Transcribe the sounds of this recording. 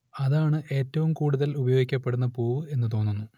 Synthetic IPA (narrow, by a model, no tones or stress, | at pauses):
ɐðaːɳɨʔe̞ːtːɐʋumkuːɽuðɐlubɐjo̞ːɡikʲːɐpːe̞ɽunːɐpoːʋɨe̞nːɨt̪o̞ːnːunːu